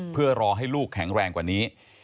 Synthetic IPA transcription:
pʰɯ˥˩ɐɾɔː˧ɦa˥˩jluː˥˩kʰːɛ˩˦ŋɾɛː˧ŋkwaː˨˩niː˦˥

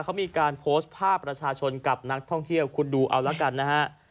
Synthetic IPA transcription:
kʰa˦˥wmiː˧kaː˧npʰoː˦˥st̪̚pʰaː˥˩pːɾa˧t͡ɕʰaː˧t͡ɕʰo˧nka˨˩p̚na˦˥k̚t̪ʰɔ˥˩ŋt̪ʰi˥˩əwkʰu˧nduː˧ʔa˧wlɛ˦˥ka˧nːa˦˥ha˦˥ʔ

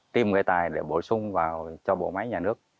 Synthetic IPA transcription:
t̪i˧mŋɨ˨˩əjt̪aː˨˩jɗe˧˩ɓo˧˩sʊ˧ŋ͡mvaː˨˩wt͡ɕɔ˧ɓo̰˧˨ma˨˦jɲaː˨˩nɨ˦˥ək̚

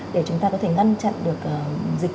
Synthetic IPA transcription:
ɗe˧˩t͡ɕʊ˨˦ŋ͡mt̪aː˧kɔ˨˦t̪ʰe˧˩ŋa˧jnt͡ɕa̰˧˨nɗɨ˨˩ək̚ʔəː˨˩zï˨˩k̚

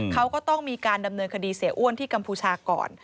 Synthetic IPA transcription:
kʰa˦˥wkɔː˥˩t̪ɔ˥˩ŋmiː˧kaː˧nda˧mnɤː˧nkʰa˧diː˧si˨˩˦ʔu˥˩ənt̪ʰiː˥˩ka˧mpʰuː˧t͡ɕʰaː˧kɔ̰ː˨˩n

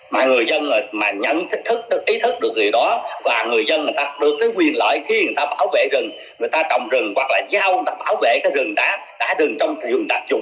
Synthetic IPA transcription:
maː˨˩ŋɨ˨˩əjzə˧nː˨˩maː˨˩ɲə̰˧˨nt̪ʰi˦˥k̟̚t̪ʰɨ˦˥k̚ɗʔi˨˦t̪ʰɨ˦˥k̚ɗɨ˨˩ək̚zi˨˩ɗɔ˨˦vaː˨˩ŋɨ˨˩əjzə˧nŋɨ˨˩əjt̪aː˧˩p̚ɗɨ˨˩əkːaː˨˦jŋwi˨˩ənlə̰ː˧˨jxi˧ŋ˨˩jt̪aː˧ɓaː˧˩wvḛ˧˨zɨ˨˩ŋ | ŋɨ˨˩əjt̪aː˧t͡ɕɔ̰˧˨wŋ͡mzɨ˨˩ŋɦwa˨˩k̚laː˨˩zaː˦˧ʔwt̪aː˧˩ɓaː˧˩wvḛ˧˨kaː˨˦jzɨ˨˩ŋɗa̰ː˨˦ɗa̰ː˧˥zɨ˨˩ŋt͡ɕɔ˧wŋ͡mzɨ˨˩ŋɗaː˨˧˥k̚zʊ̰˨˩ŋ͡m

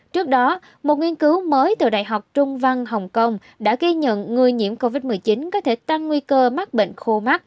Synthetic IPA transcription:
t͡ɕɨ˦˥ək̚ɗɔ˨˦ | mo˨˩t̚ŋwi˧ənkɨ˨˦wməː˨˦jt̪ɨ̰˧˩ɗa̰ː˧˨jɦa˨˩wk͡p̚t͡ɕʊ˧ŋ͡mva˧ŋɦə˨˩wŋ͡mkə˧wŋ͡m | ɗa̰ː˧˥ɣi˧ɲə̰˧˨nŋɨ˨˩əjɲḭ˧˥əmko˧vi˦˥t̚mɨ˨˩əjt͡ɕi˨˦nkɔ˨˦t̪ʰe˧˩t̪a˧ŋːwi˧kəː˧ma˦˥t̚ɓḛ˧˨ŋxo˧ma˦˥t̚

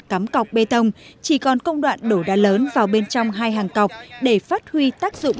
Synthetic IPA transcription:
ka˨˦mka˨˩wk͡p̚ɓe˧t̪ə˧wŋ͡mt͡ɕi˧˩kɔ˨˩nkə˧wŋ͡mɗwa̰ː˧˨nɗo˧˩ɗa̰ː˧ləː˨˦nvaː˨˩wɓe˧nt͡ɕɔ˧wŋ͡mɦaː˧jɦaː˨˩ŋkwk͡p̚ɗe˧˩faː˦˥t̚hwi˧t̪aː˦˥k̚zʊ̰˧˨ŋ͡m

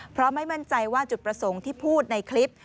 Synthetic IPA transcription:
pʰɾɔ˦˥ma˥˩jma˥˩nt͡ɕa˧jwaː˥˩t͡ɕu˨˩t̪̚pɾa˧so˩˦ŋt̪ʰiː˥˩pʰuː˥˩t̪̚na˧jkʰli˦˥p̚

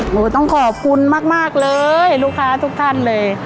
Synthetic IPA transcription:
ʔoː˧˩t̪ɔ˥˩ŋkʰɔː˨˩p̚kʰu˧˥nmaː˥˩k̚maː˥˩k̚lɤː˧jluː˧˥˩kʰaː˧˥t̪ʰu˧˥k̚t̪ʰa˥˩˨nlɤː˧˩j

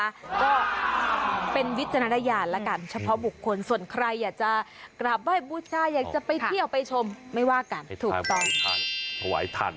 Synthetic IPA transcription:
a˦˥kɔː˥˩ | pe˧nwi˦˥t̪̚t͡ɕʰa˧na˦˥a˧jaː˧nlɛ˦˥ka˧nt͡ɕʰa˧pʰɔ˦˥bu˨˩kʰːo˧nsu˨˩ənkʰɾa˧jːaː˨˩k̚t͡ɕa˨˩kɾa˨˩p̚daː˥˩jbuː˧˩t͡ɕʰaː˧jaː˨˩k̚t͡ɕa˨˩pa˧jt̪i˥˩əwpa˧jt͡ɕʰo˧mːa˥˩jwaː˥˩ka˧nt̪ʰuː˨˩kt̪ɔː˥˩ŋ˧t̪ʰa˧wa̰ː˩˦jt̪ʰa̰˧n

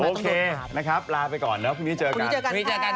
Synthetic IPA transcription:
ʔoː˧kʰeː˧na˦˥kʰɾa˦˥p̚laː˧pa˧jkɔː˨˩nlɛː˦˥pʰuː˧˩ŋni˦˥t͡ɕɤː˧kka˧˦˥t͡ɕɤː˧ka˧iː˦˥t͡ɕːka˧

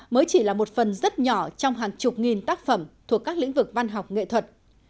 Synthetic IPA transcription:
məː˨˦jt͡ɕi˧˩laː˨˩mo˨˩t̚fə˨˩nzə˦˥t̚ɲɔ˧˩t͡ɕɔ˧wŋ͡mɦaː˨˩ŋt͡ɕʊ˨˩k͡p̚ŋi˨˩nt̪aː˦˥k̚fə˧˩mt̪ʰu˨˩əkːaː˦˥k̚lḭ̈˧˥ŋ̟vɨ˨˩k̚va˧nɦa˨˩wk͡p̚ŋḛ˧˨t̪ʰwə˨˩t̚

